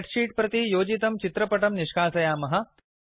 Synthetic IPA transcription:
ʈʂiːʈ̚pɾɐt̪ijoːd͡ʒit̪ɐmt͡ʃit̪ɾɐpɐʈɐmniʂkʰaːsɐjaːmɐɦɐ̆

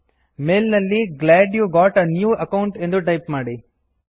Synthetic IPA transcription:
me̞ːlnɐlːiɡlaːɖjuːɡaːʈɐnjuːʔɐkɐwɳʈend̪uʈɐjpmaːɽi

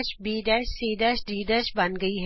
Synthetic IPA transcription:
ʃbiːɖəɾʃsiːɖəɾʃɾiːɖəɾʃbɐnɡɐiɦ

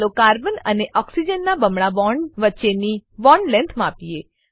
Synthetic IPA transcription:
lokaɾbənəneʔɔksid͡ʒənːabəmɽaʋɔɳʋətːʃeniʋɔɳɖlɛ̃nt̪ʰmãpie

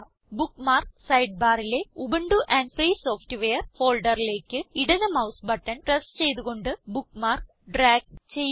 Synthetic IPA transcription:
bukmaːrsɐjɖ̚baːrile̞ubɐɳɖuʔɐnɖfriːso̞ːftɨʋejɐrfo̞ːlɖɐrile̞ːkːɨiɽɐnɐmɐwsbɐʈːɐnʈrɐst͡ɕe̞jt̪uɣo̞ɳɖɨbukːmaːr | ɖraːɡ̚t͡ɕe̞jː

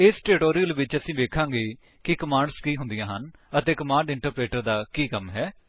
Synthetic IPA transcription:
ɪsʈɛːɾɪʈoːɾijəlʋɪt͡ʃəsĩːʋeːkʰãːɡeː | kɪkəmãːɳɖskiːɦʊ̃nd̪ijãːɦən | ət̪eːkəmãːɳɖɪɳʈəɾpɾeːʈəɾd̪aːkiːkəmɦɛː

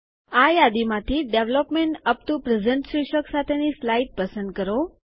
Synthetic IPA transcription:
ajad̪imãt̪ʰiɖeʋlɔpmeɳʈəp̚t̪upɾəd͡ʒəɳʈsɾiʃəksat̪ʰenislajiʈ̚pəsə̃nd̪̚kəɾo

